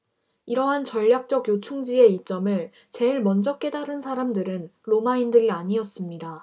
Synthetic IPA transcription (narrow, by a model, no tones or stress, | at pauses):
iɾʌɦant͡ɕʌʎːjak̚t͡ɕ͈ʌɡjot͡ɕʰuŋd͡ʑie̞it͡ɕ͈ʌmɯɭ | t͡ɕe̞iɭmʌnd͡ʑʌk͈e̞daɾɯnsʰaɾamdɯɾɯnɾomaindɯɾiaɲiʌs͈ɯmɲida